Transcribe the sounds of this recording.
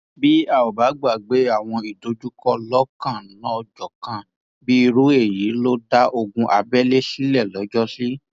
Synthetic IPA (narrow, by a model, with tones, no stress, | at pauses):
bi˦a˦˨o˨ba˨˦ɡ͡ba˨ɡ͡be˨˦a˦˨w̃ɔ̃˧i˨do˧d͡ʒu˦kɔ˦lɔ˦kã˦˨˦lã˦ɔ˧d͡ʒɔ˨kã˨ | bi˦i˧ɾu˦e˦˨ji˨˦lo˦da˦ʔo˧ɡũ˧ʔa˧bɛ˦le˦si˦lɛ˦˨lɔ˨˦d͡ʒɔ˦si˦